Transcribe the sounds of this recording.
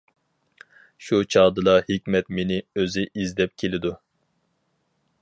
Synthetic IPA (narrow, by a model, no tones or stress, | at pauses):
ʃut͡ʃʰɑːd̪ɨlˠɑhikʲmɛt̪menɪøzɪʔizd̪ɛp̚kʲʰelɪd̪u